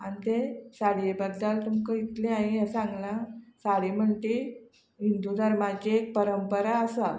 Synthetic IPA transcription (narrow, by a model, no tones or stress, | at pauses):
añit̪esaɽiebəd̪ːəlt̪umkəit̪leaĩɦasãŋɡlasaɽim̤əɳʈ̪i | ɦind̪ud̪ʱəɾmad͡ʑeek̚pəɾəmpəɾaəsa